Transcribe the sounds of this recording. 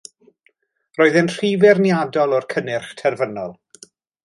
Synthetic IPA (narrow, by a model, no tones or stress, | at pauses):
roːɨðɛnr̥ivɛrnjadɔlˠɔrkʰənɪrχtʰɛrvənɔlˠ